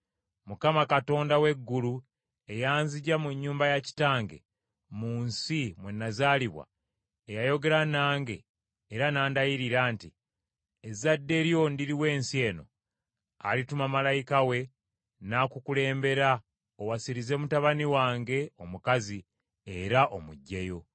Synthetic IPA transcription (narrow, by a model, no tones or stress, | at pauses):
mukamakato̞ːndawe̞ɡːulu | e̞jaːnziɟamuɲːuːmbajaci̥taːŋɡe̞̰ | muːnsimwe̞nːazaːliβwa̰ | ejajo̞ɡe̞ɾanaːŋɡe̞̰ː | ɾanaːndajiɾiɾaːnti | ezadːe̞ɾjo̞ndiɾiwe̞ːnsie̞ːno̞ | a̰litumamalajikawe̞ | nakukule̞ːmbe̞ɾa | owasiɾize̞mutaβaniwaːŋɡe̞o̞mukazi | eɾaʔo̞muɟːejo̞